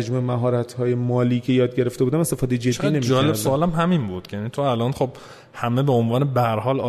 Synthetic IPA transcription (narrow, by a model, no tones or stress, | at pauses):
d͡ʒmuːemæɦɒːɾæt̪ʰhɒːje̞mɒːliːcʰe̞jɒːd̪̚ɟe̞ɾe̞ft̪eud̪æmest̪efɒːd̪e̞jed͡ʒe̞d̪ːinemid͡ʒɒːlebsoɒːlæmɦæminbuːd̪̥jæniːt̪ʰoælʔɒːnχob | hæmebeonvɒːnebæhæɾhɒːlː